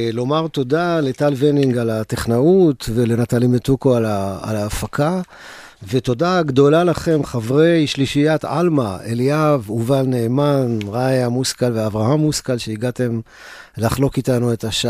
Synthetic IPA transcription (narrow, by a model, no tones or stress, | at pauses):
lo̞maʁt̪o̞dale̞talveniŋɡalateχnaut̪vele̞nat̪alimet̪ukoalaa̰laːfaka | veto̞daɡd̪o̞lalaχe̞mχavʁe̞jʃliʃijat̪ʕa̰lmaeliavuvalneːmanʁajamuskalveavʁaɦamːuskalʃeiɡate̞m | laχlo̞kitanue̞taʃa